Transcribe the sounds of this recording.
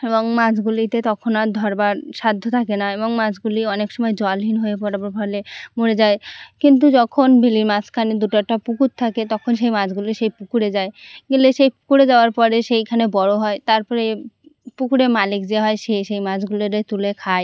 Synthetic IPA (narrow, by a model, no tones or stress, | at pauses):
eboŋmat͡ɕʰɡulit̪et̪ɔkʰonad̪ʱɔɾbaɾʃad̪ʱːot̪ʰakenaeboŋmad͡ʑɡuliɔnekʃɔmɔed͡ʑɔlɦinɦoep̬ɔɾaboɾpɔlemoɽed͡ʑaekint̪̬ud͡ʑɔkʰonbʱiliɾmat͡ɕʰkʰaned̪uʈaʈapukut̪̚t̪ʰaket̪ɔkʰonʃ̬ejmad͡ʑɡuliʃejpukuɽed͡ʑaeɡeleʃejpukuɾed͡ʑaoaɾpɔɾeʃejkʰanebɔɽoɦɔet̪aɾpɔɾepukuɾemalik̚d͡ʑeɦɔeʃeʃejmad͡ʑɡuleɾet̪ulekʰae